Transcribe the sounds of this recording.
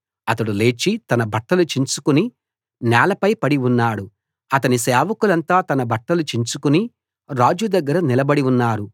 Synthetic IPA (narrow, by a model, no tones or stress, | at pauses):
ɐt̪ɐɽule̞ːt͡ʃit̪ɐnɐbʱɐʈːɐlut͡ʃiɲt͡ʃukuni | nɛːlɐpɐjpɐɽiunːaːɽu | ɐt̪ɐnisɛːʋɐkulɐnt̪aːt̪ɐnɐbʱɐʈːɐlut͡ʃiɲt͡ʃukuni | ɾaːd͡ʒud̪ɐɡːɐɾɐnilɐbɐɽiunːaːɽu